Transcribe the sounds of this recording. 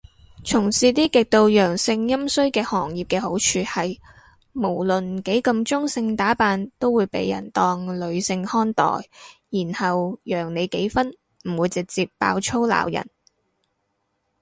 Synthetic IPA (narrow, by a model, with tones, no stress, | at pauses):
t͡sʰʊ˨˩ŋsiː˧t̪iː˥kɪ˨k̚t̪o˧wjœː˨˩ŋsɪ˧ŋjɐ˥msɵ˥ɥkɛː˧hɔː˨˩ŋjiː˨p̚kɛː˧ho˨˥wt͡ʃʰyː˨˧hɐ˨j | mo˨˩wlɵ˨˩nke˨˥jkɐ˧mt͡sʊ˥ŋsɪ˧ŋt̪aː˨˥paː˨˧nt̪o˥wuː˨˧jpḛ˨˥jɐ̰˨˩nt̪ɔː˧ŋlɵ˨˧ɥsɪ˧ŋhɔː˥nt̪ɔ̰ː˨˩jjiː˨˩nhɐ˨wjœː˨˩ŋne˨˧jke˨˥jfɐ˥n | m̩˨˩wuː˨˧jt͡sɪ˨k̚t͡siː˧ppːa̰ː˧wt͡ʃʰo˥wla̰ː˨˩wjɐ̰˨˩n